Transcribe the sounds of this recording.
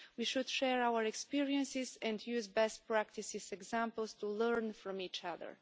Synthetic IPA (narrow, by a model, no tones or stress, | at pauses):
wiʃud̪ʃɛɹawəɹɛkspiɹiə̃nsizɛ̃ndjuzbɛst̚pɹæk̚tisɪzɛɡzæ̃mpəlˠstuləɹnfɹɔ̃mit͡ʃʌðə̰˞